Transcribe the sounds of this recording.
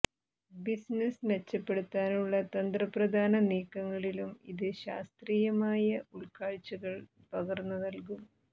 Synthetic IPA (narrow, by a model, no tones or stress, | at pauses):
bisnɐsnet͡ɕːɐpːe̞ɽut̪ːaːnuɭːɐt̪ɐnd̪rɐprɐd̪ʱaːnɐniːkːɐŋːɐɭilumiðɨɕa̰ːst̪riːjɐmaːjɐuɭkaːɻt͡ɕːɐɣɐɭ | pɐɣɐrnːɐnɐlkum